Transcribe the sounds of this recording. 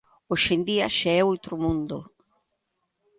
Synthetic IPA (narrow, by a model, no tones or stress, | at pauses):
oʃend̪iaʃeɛowt̪ɾʊmũnd̪ʊ̰